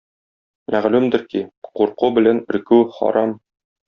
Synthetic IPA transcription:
mʔæʁlʉmd̪ɘ̆ɾkiquɾqubɘ̆lænɘ̆ɾkʉχɒ̰ɾɑm

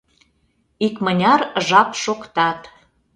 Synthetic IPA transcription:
ikmənʲɑrʒɑpʃokt̪ɑt̪

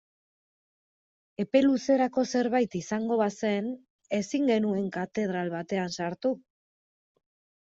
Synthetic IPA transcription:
e̞pe̞luse̞ɾako̞se̞ɾβajt̪isaŋɡo̞βase̞n | e̞siŋɡe̞nue̞ŋkat̪e̞ð̞ɾalβat̪e̞ansaɾt̪u

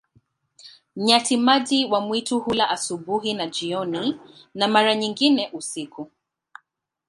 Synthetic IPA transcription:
m̩ɲatimaʄiwamwituhulaʔasubuɦinad͡ʒiɔninamaɾaɲiŋɡinɛʔusiku

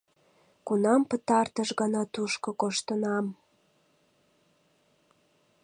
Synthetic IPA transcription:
kunɑmpət̪ɑrt̪əʃɣɑnɑt̪uʃkokoʃt̪ənɑm

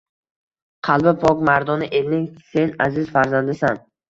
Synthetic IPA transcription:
qʰɑlˠbɪpʰɒkmaɾd̪ɒnɪʔe̞lnɪŋse̞nazɪzfaɾzand̪ɪsan

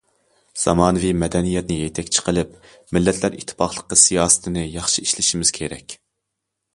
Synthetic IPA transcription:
z̥ɑ̰mɑːnɨvimɛd̪ɛnijɛt̪̚nɪjet̪ʰɛkʲt͡ʃʰi̥qʰəlˠɪp | mɪlːɛt̪ʰlæɾḭt̪ʰːɪ̥pɑχlˠəqːəsijɑːst̪ʰɪnɨjɑχʃiiʃlɪʃimɪz̥kʲʰeɾɛ̰kʲ

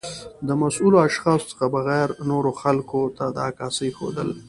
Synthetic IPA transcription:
d̪əmasuloaʃxɑːso̥t͡sə̥xabaɣɛɾnoɾoxalkot̪ad̪aːkɑːsəjxo̰d̪ə̰l

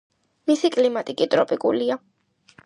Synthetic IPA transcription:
misikʼlimat̪ʼikʼit̪ʼɾɔpʼikʼulia

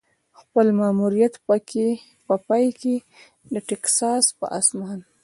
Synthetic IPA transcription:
xpəlmamuɾijat̪pəke | pəpɑjke | d̪əʈɛksɑspə̰ʔa̰smɑn

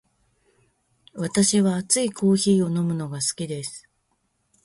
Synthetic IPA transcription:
βat̪aɕiβaːt͡sɨikʰo̞ːçiːo̞no̞mɯ̟no̞ɡasɨ̥kʲid̪e̞sɨ̥

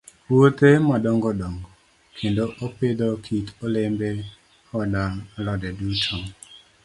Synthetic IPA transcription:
wot̪emɔdɔŋɡɔdɔŋɡɔ | kʰendoʔoped̪okʰitolembe | ɔdalɔdɛdutʰo

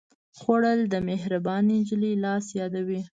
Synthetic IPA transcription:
xwaɽəld̪əmeɦɾabɑnid͡ʒlilɑsjɑd̪awi

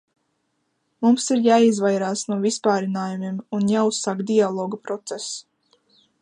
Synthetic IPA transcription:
mumsiɾjaːizvajɾaːsnuɔvispaːɾinaːjumimunjaːusːaːkd̪ialˠɔːɡapɾɔt̪sɛs

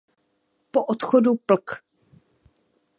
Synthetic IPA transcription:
poʔot̪xodupl̩k

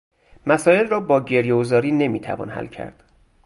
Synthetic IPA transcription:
mæsɒːje̞lrɒːbɒːɟe̞ɾjeozɒːɾiːne̞miːt̪ʰæ̰vɒ̰ːnhæ̰lcʰæ̰ɾd̪̥

